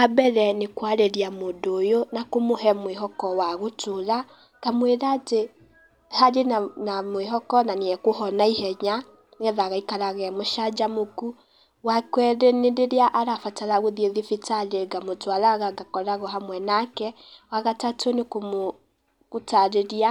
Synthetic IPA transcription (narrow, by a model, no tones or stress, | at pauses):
kabɛɾɛnekwaɾeɾiamoːndoːjonakomoɦɛmweɦɔkɔwaɣotʰoɾa | kamweɾaːte | haɾenanamweɦɔkɔnaniɛkoɦɔnaihɛɲa | nɛðaɣaikaɾaɣɛmoʃad͡ʒamoku | wakwɛɾeneɾeɾeaʔaɾafataɾaɣoðieɣefitaɾeɡamotwaɾaɣaɡakɔɾaɣɔɦamwɛnakɛ | waɣatatʰonekomo | ɣotaɾeɾia